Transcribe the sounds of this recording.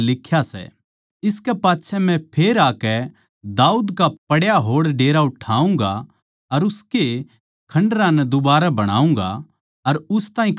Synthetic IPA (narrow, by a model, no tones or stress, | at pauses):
lɪkʰjasɛ̰ | ɪskɛpaːtːʃʰɛmɛ̃pʰeːɾaːkɛ | d̪aːuːd̪kapɐɽjaɦoːɽɖeːɾaʊʈʰaːũŋ̆ɡa | ɐɾʊske | kʰɐ̃ɳɖɾãnɛd̪ʊbaːɾabɐɽ̃a̰ːũŋ̆ɡa̰ | ɐɾʊst̪ãːɦĩk